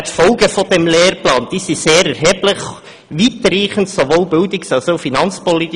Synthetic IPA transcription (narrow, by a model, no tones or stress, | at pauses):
tfɔlɡəfodɛmleːɾplɑːnd̥isiseːɾɛɾɦɛblɪχ | ʋit̪ɾiːχən̩tsoʋoːlbɪldɪksɑlsoʊfinɑnt͡spɔlit̪